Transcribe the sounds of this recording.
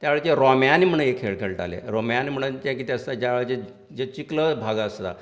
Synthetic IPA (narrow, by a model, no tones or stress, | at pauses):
t̪jaʋeɭt͡ɕeɾɔmjanim̤əɳ̃jekʰeɭkʰeɭʈa̰lḛɾomjanm̤əɽ̃unt͡ɕɛ̃k̬it̪əsad͡ʑaʋeɭt͡ɕe | d͡ʑet͡ɕikləbʱaɡaəst̪a̰